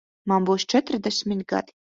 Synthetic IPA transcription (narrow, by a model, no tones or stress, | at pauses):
mambuwst͡ʃʰɛt̪ɾd̪ɛsʲmʲit̪ɡa̰d̪̥i̥